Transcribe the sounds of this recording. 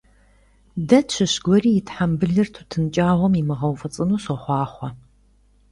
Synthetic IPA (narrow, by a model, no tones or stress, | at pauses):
dɐtt͡ʃʰɨɕɡʷɔriːjɪtħambɨɮɨrtʰutʰɨnt͡ʃʼaːʁʷɔmimɨʁɐwfɐt͡sʼɨnuːsɔχʷɑːχʷɐ